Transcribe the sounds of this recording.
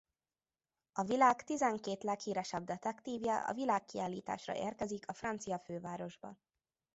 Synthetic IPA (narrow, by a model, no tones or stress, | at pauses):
ɒvilaːkt̪izɛŋkeːt̪lɛkhiːɾɛʃɛb̚d̪ɛt̪ɛkt̪iːvjɛʔɒ̰vilaːkːiaːlːiːt̪a̰ːʃrɒ̰ʔeːrkɛzikʰɒfrɒnt̪sijɒføːvaːɾo̞ʒbɒ̰n